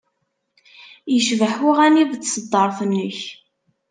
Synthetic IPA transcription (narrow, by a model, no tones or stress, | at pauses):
jəʃvəħʊʁæniðt͡s̪ːsəd̪ˤːəɾˤθənːəç